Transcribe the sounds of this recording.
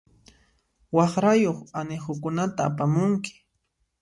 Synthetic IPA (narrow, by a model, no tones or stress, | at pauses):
wɑχɾajoχaneχʊkʊnat̪a̰ːpamʊŋkɪ̥